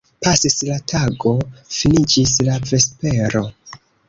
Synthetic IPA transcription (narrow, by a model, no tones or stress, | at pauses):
pasislatʰaɡo̞finid͡ʒislave̞spe̞ɾo̞